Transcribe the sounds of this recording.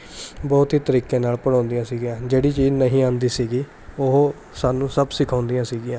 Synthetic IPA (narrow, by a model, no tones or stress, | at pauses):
bɔːt̪ɦiːt̪əɾiːkẽːnaːlpəɽãːnd̪ɪjãːsiːɡɪjãːd͡ʒeːɽiːt͡ʃiːznəɦĩːãːnd̪iːsiːɡiː | oɦo | saːnũːsəbsɪkʰãːʊnd̪ijãːsiːɡɪãː